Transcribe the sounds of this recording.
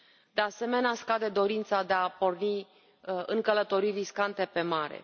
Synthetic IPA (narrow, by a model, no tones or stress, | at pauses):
d̪̥e̞ase̞me̞neaskad̪e̞d̪o̞ɾint̪sad̪e̞apo̞rni | ɨŋkələt̪o̞ɾijriskant̪e̞pe̞maɾḛ